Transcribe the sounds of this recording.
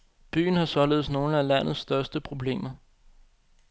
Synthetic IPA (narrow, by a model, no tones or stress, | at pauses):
b̥y̰ːn̩hɑ̈sɒ̽le̝ð̩ˠsno̝ːləælæn̰ð̞̩ˠsːd̥ɶɐsd̥əpʰʁo̝b̥le̝̰ːmɐ